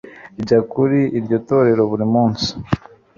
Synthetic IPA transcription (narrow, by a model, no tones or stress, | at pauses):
iɟakuɾiʔiɾɟoto̞ɾe̞ɾo̞βuɾimuːnsi̥